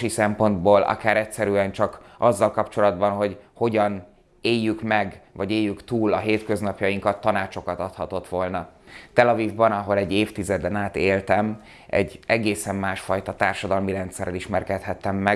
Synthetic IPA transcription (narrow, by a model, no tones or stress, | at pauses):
ʃisɛmpo̞nd̪boːlʔɒ̰kaːɾɛtsɛɾyɛnt͡ʃɒkɒzːɒlkɒpt͡ʃo̞lɒd̪bɒnɦo̞ɟho̞ɟɒn | eːjːykmɛɡvɒɟeːjːykt̪uːlɒɦeːt̪kø̞znɒpjɒjiŋkɒt̪ːɒnaːt͡ʃo̞kɒt̪ɒt̪hɒt̪o̞t̪ʋo̞lnɒt̪ɛlɒvivbɒnɒɦo̞lɛɟːeːft̪izɛd̪ɛnaːt̪eːlt̪ɛm | ɛ̰ɟːɛɡeːsɛmːaːʃfɒjt̪ɒt̪aːrʃɒd̪ɒlmiɾɛnt̪sɛɾɛliʃmɛrkɛt̪hɛt̪ːɛmːɛ